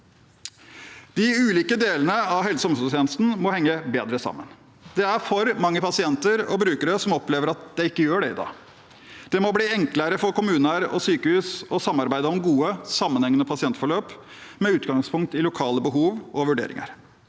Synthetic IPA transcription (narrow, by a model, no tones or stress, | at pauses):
d̪̥ɪʉːliːkəd̪eːlənəɑʋɦɛlsɔmsʉlt̪ʰeːnəst̪n̩mɔhɛŋːəbeːd̪ɾəsɑ̰mːən | d̪̥ɛæɾfɔɾmɑŋːəpʰɑsɪɛnt̪əɾɔ̰bɾʉːkəɾəsɔmɔpleːʋəɾɑt̪̚d̪̥ɛɪkːəjøːɖɛɪd̪ɑ̰ː | d̪̥ɛmɔbliːɛŋkləɾəfɔɾkʊmʉːnəɾɔ̰syːkəhʉːsɔsɑmːɑɾbæɪd̪əɔmɡuːəsɑmːənhɛŋːənəpʰɑsɪɛnt̪fɔɭøːp | mɛʉːt̪ɡɑŋspʰʊŋk̚t̪ɪlʊkʰɑːləbəɦuːʋɔʋʉɖḛːɾɪ̰ŋə̰ɾ